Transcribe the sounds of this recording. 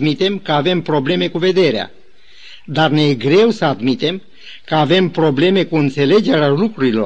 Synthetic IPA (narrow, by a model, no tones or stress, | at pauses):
mit̪e̞mkəave̞mpɾo̞ble̞me̞kuve̞d̪e̞ɾea̰ | d̪arnejeɡɾe̞wsəad̪mit̪e̞m | kəave̞mpɾo̞ble̞me̞kuɨnt̪se̞le̞d͡ʒe̞ɾealukɾuɾilo̞̰